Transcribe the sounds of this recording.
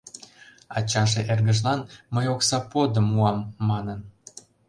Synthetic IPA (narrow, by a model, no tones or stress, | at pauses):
ɑt͡ɕɑʒeʔerɡəʒlɑnməjoksɑpod̪əmuɑmːɑnən